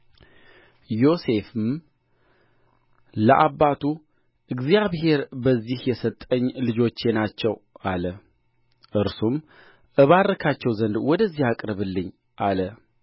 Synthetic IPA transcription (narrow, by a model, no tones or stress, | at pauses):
jo̞se̞fɨm | ləʔaβːat̪ʰu | ʔɨɡzijaβɦe̞ɾbəzːihjɛsət̪ʼːəɲːlɨd͡ʒo̞t͡ʃːe̞nat͡ʃːɛwʔalə | ʔɨɾsum | ʔəβarːəkʰat͡ʃːɛwzənd̪wɔd̪əzːihakʼɾəβɨlːɨɲː | ʔalə